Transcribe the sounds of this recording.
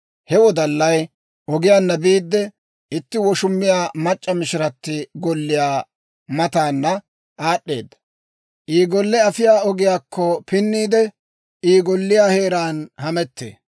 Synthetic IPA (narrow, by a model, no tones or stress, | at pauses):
hɛwɔd̪ɐlːɐj | ʔɔɡɪjaːnːɐbiːd̪ːɛ | ɪt̪ːɪwɔʃʊmːɪjaːmɐt͡ʃʼːɐmɪʃɪɾɐt̪ːɪɡɔlːɪjaː | mɐt̪aːnːɐ | ʔaːɗːe̞ːd̪ːɐ̥ | ʔiːɡɔlːɛɐfɪjaːɔɡɪjaːkʰːɔpɪnːiːd̪ɛ | iːɡɔlːɪjaːhe̞ːɾaːnhɐmɛt̪ːḛː